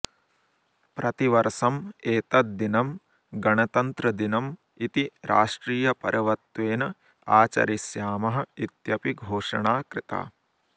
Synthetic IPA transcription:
pɾɐt̪iʋɐɾsɐmeːt̪ɐt̪̚d̪inɐm | ɡɐɳɐt̪ɐnt̪ɾɐd̪inɐm | it̪iɾa̰ːʂʈɾiːjɐpɐ̰ɾɐʋɐt̪ʋeːnɐ | aːt͡ʃɐ̰ɾisjaːmɐɦɐ̆it̪jɐpiɡʱoːʂɐ̰ɳaːkɾɪt̪a̰ː

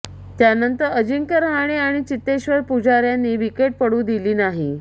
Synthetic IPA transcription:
t̪janənt̪əɾəd͡ʑiŋkəɾɦaɽ̃iaɽ̃it͡ɕit̪ːeɕʋəɾpud͡ʑaɾjanːiːʋikeʈ̚pəɽũːd̪iliːnaɦi

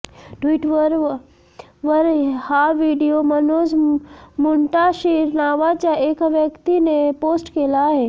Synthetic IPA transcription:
ʈʋiːʈʋəɾ | ʋəɾhaʋiɖijomənoːzmuɳʈaʃiɾnaːʋat͡ɕjaʔekʋjəkt̪inepoːsʈkeːlaːɦe

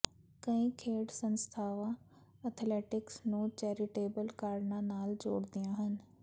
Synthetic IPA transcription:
kɐ̃ɦĩkʰeːɽsɐ̃nst̪ʰaːʋã | ət̪ʰleːʈɪksnũt͡ɕɛːɾɪʈeːbəlkaːɾnãnaːld͡ʑoːɽd̪ijãɦənɪ̆

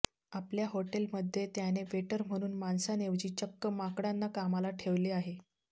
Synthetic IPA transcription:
apljaɦoʈelməd̪ʱːjet̪janeʋeʈəɾm̤əɽ̃uːnmansaneʋd͡ʑiːt͡ɕəkːəmakɽanːakamalaʈʰeʋliːaɦe

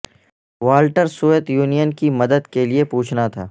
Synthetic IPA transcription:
ʋaːlʈəɾsuːət̪juːnijənkimɐd̪əd̪keliepuːt͡ʃʰnat̪ʰaː

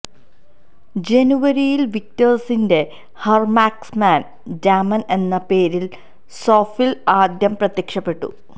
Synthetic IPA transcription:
d͡ʑe̞nuʋɐɾijilʋik̚tɐrsinde̞ | hɐrmaːksmaːn | daːmɐne̞nːɐpe̞ːɾil | soːfilaːd̪jɐmprɐt̪jekʂɐpːe̞ʈːṵ

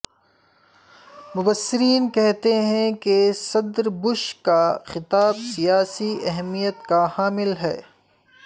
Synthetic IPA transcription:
mʊbəsːɪɾiːnkɛɦt̪eɦɛ̃kesɐd̪ɾbʊʃkaxɪt̪aːbsijaːsiɛɦmijət̪kahaːmɪlɦɛ̰ː

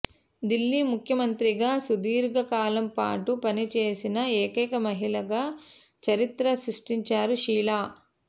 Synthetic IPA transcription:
d̪ilːimukʰjɐmɐnt̪ɾiɡaːsud̪iːɾɡɐkaːlɐmpa̰ːʈupɐnit͡ʃeːsinɐeːkɛkɐmɐɦilɐɡaː | t͡ʃɐɾit̪ɾɐsɾuʂʈiɲt͡ʃaːɾuʃiːlaː

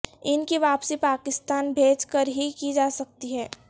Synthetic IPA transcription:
ɪnkiʋaːpsipaːkɪst̪aːnbʱeːt͡ʃkəɾɦikid͡ʒaːsɐk̚t̪iɦɛː

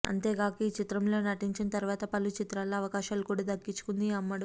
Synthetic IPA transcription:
ɐ̰nt̪e̞ːɡaːkiit͡ʃit̪ɾɐmlo̞ːnɐʈiɲt͡ʃinɐt̪ɐɾuʋaːt̪ɐpɐlut͡ʃit̪ɾaːloɐʋɐkaːʃaːlukuːɽaːd̪ɐkːit͡ʃːu̥kund̪iɐmːɐɽu

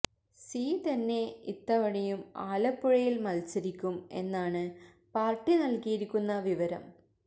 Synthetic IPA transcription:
siːt̪ɐnːe̞it̪ːɐʋɐɽɐjumaːlɐpːuɻɐjilmɐlt͡ɕːɐɾikʲːume̞̰nːaːɳɨ | paːrʈːinɐlkijiɾikʲːunːɐʋiʋɐɾɐ̰m

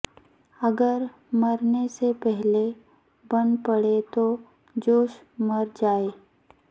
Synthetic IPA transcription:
ɐɡəɾ | mɐɾnesepɛɦle | bɐnpəɽet̪o | d͡ʒoːʃ | mɐɾd͡ʒaːeː

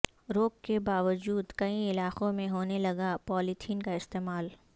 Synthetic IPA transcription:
ɾoːkːebaːʋəd͡ʒuːd̪kɐĩɪlaːqõmẽɦoːnelɐɡapɔːlit̪ʰiːnkaɪst̪eːmaːl

